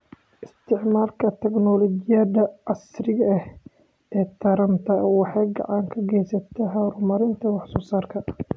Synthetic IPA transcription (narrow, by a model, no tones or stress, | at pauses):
ʔɪst̪ʰɪʕmaːlkʰɐt̪ʰɛɡnɔlɔd͡ʒɪjaːd̪ɐʔɐsrɪɣɐh | ɛːt̪ʰɐɾɐnt̪ʰɐwɑħɑːɡɑ̰ʕɑŋkʰɐɡɛjsɐt̪ʰɐɦɐɾʊmɐɾɪnt̪ʰɐwɑħsɔːsaːrkʰɐ